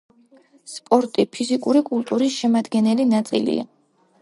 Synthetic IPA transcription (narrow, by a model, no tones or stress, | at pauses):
spʼɔɾt̪ʼipʰizikʼuɾikʼult̪ʼuɾisʃɛmad̪ɡɛnɛlinat̪sʼḭlḭa̰